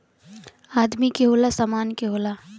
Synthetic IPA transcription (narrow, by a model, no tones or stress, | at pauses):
aːd̪mikeɦoːlasamaːnkeɦoːla